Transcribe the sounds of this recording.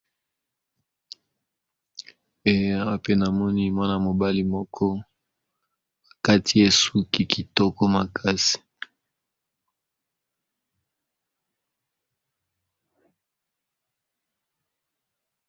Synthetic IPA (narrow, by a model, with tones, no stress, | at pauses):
e˨˦a˦pe˦na˨mɔ˦ni˦mwa˦na˨mo˨ba˦li˦mɔ˦kʰɔ˦ | a˨ka˦tʰi˦e˦su˦ki˨ki˨tɔ˦kɔ˦ma˨kʰa˦si̥˨